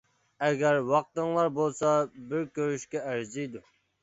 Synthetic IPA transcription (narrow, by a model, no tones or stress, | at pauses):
ɛɡʲæɾwɑq̚t̪əŋlˠɑɾbolˠsɑbɪɾkʲøɾyʃkʲɛæɾzijd̪u